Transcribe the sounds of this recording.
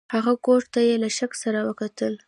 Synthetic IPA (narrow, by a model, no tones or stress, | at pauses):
haɣakoʈt̪ajelaʃaksaɾawəkat̪əl